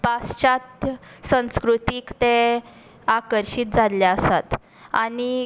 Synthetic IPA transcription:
past͡ɕat̪sə̃skɾut̪iːkt̪e | akəɾɕiːt̪̚d͡zʱaljaəsat̪ | ani

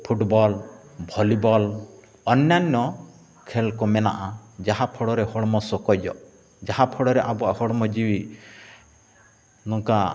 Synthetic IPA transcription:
pʰuʈbɔlbʱɔlibɔl | ɔnjanːɔ | kʰelkɔmɛna̰ʔad͡ʒaɦapʰɔɽɔɾehɔɽɔmɔsɔkɔjd͡ʒɔ̰ʔ | d͡ʒaɦapʰɔɽɔɾeʔabuahɔɽmɔd͡ʒiwi | nɔŋka

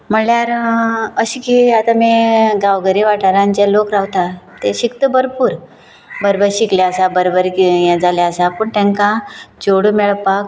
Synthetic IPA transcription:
m̤əɳljaɾəɕikiat̪amiɡawɡəɾiʋaʈʰaɾãɲt͡ɕelokɾawt̪at̪eɕikt̪əbəɾpuːɾ | bəɾbəɾɕikljaəsabəɾbəɾkijãd͡zaljaəsapəːɳt̪ɛ̃ŋkãd͡ʑoɽumɛɭpak

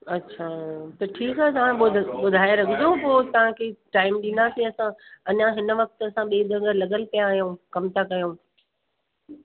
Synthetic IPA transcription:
ɐtːɕʰaːt̪ɐʈʰiːkɦɛːt̪ɐʋ̤ãɓʊɓʊd̪ʱaːeɾɐɡʰʱɪd͡ʑõpoːt̪ɐʋ̤ãkʰeʈaːɪmɗɪnd̪aːsiɐsãɐɲãɦɪnə̆ʋɐk̚t̪əɐsãɓeːd̪ɐɡəɾlɐɠəlpijaːɦijõkɐmt̪ʰakɐjõː

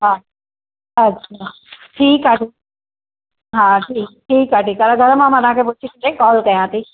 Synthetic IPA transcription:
ɦã | ɐtt͡ʃʰa | ʈʰiːkaʈʰi | ɦãːʈʰiːk̚ʈʰiːkaʈiːkaɾaɡʱɐɾmãmanãkʰep̬ut͡ʃʰik̪id̪ekɔːlkɐjãt̪i

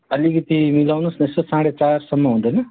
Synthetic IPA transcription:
ɐlːiɡit̪imilɐʋnusnesɐsaːɽet͡ʃaːɾsɐmːɐund̪ɐnɐ

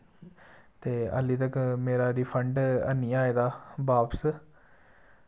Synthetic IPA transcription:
t̪eːə̰liːt̪əkmeːɾaːɾiːpʰəɳɖə̰nːiːaːeːd̪aːbaːps

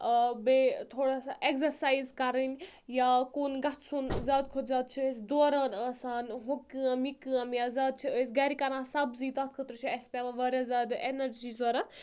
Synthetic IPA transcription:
bet̪ʰoːɽasaʔekzɐɾsaːjzkɐɾənʲjaːkoːnɡɐt̪ʰsunzʲaːd̪̚kʰot̪zaːt̪̚t͡ʃʰiɐsʲd̪oːɾaːnaːsaːnɦokːɨɐmikɨɐ̃mjaːzaːd̪̚t͡ʃʰiəsʲɡɐɾikɐɾãːsɐbziːt̪ɐt̪̚ʰkʰət̪ɾt͡ʃʰiɐsʲpʲelaʋaːɾʲjazaːd̪enɐɾd͡ʒizaːɾa

